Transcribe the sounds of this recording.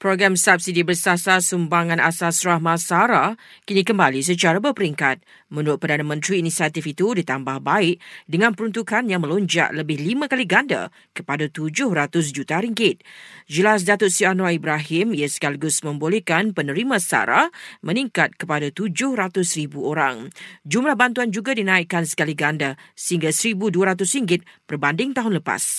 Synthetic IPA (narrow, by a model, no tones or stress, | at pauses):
pɾoɡɾamsap̚sidibərsasasumbaŋãnʔasasɾahmãsaɾakinikəmbalis̬ət͡ʃaɾabərpəɾiŋkat̪̚ | mə̃nuʊt̪̚pərdanamə̃nt̪ɾiːnisiat̪ifit̪udit̪ambahbaɪʔ̚dəŋãnpəɾunt̪ukanjaŋmə̃loɲd͡ʒa̰ʔləbɪhlimãkaliɡanda̰ | kəpadat̪ud͡ʒʊhɾat̪ʊs̬d͡ʒut̪aɾiŋɡɪt̪̚d͡ʒəlas̬dat̪ʊt̪sianwaibɾaɦɪmiasə̥kaliɡʊsmə̃mbolɛhkanpənə̃ɾimãsa̰ɾa̰hmə̃nĩŋkat̪̚kəpadat̪ud͡ʒʊhɾat̪ʊsɾibuoɾaŋd͡ʒumlahbant̪uand͡ʒuɡadinãiʔkːansə̥kaliɡandasəɦiŋɡasəɾibuduaɾat̪ʊsriŋɡɪt̪̚b̥ərbandɪŋt̪aɦʊnləpa̰s